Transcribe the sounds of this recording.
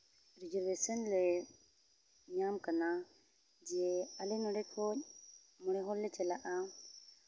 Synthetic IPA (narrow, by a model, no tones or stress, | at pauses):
ɾid͡ʒɔɾwesɔnlɛ | ɲamkana | d͡ʒijɛalɛnɔɖɛkʰɔc̚ | mɔɽɛɦɔlːɛt͡ʃɛlaʔa